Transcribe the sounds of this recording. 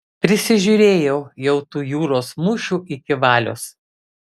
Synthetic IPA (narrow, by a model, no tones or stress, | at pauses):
pʲɾʲɪsʲɪʒʲuːɾʲeːjɛʊjɛʊt̪uːjuːɾoːsmʊʃʲuːʔɪkʲɪʋɑːlʲo̰ːs